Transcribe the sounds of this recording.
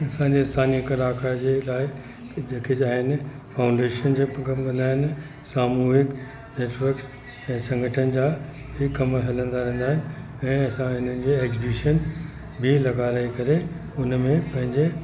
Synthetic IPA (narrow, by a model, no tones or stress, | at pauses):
ɐsãɲd͡ʑesaːnikɐlaːkaɾd͡ʑeːlaːɪ | d͡ʑeːkʰed͡ʑaːɦɪnɪ̆ | faːʊ̃ɳɖeːʃənd͡ʑeːɐmʋɐ̃nd̪aːɦɪnɪ | saːmuːɦɪk | neːʈʰʋɐɾks | ɛ̃ːsɐ̃ŋɡʱəʈʰənɪ̆d͡ʑaː | hɪːɐmɦɐlə̃nd̪aɾɛ̃ɦːnd̪aːɦɪnɪ | ɛ̃ːɐsãɦɪn̤ənɪ̆d͡ʑeːeːkzɪbiʃən | bɪlɐɡaːɾəikɐɾe | ʊnmẽpɐ̃ɦɪ̃ɲd͡ʑe